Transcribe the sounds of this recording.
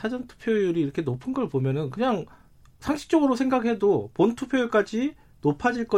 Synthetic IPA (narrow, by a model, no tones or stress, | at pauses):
sʰad͡ʑʌntʰu̥pʰjojuɾiːɾʌkʰe̞nopʰɯnɡʌɭpomjʌnɯnkɯɲaŋ | sʰaŋɕʰi̥k̚t͡ɕ͈ʌɡɯɾosʰe̞ŋɡaɡhe̞dopontʰupʰjojuɭk͈ad͡ʑi | nopʰad͡ʑiɭk͈ʌ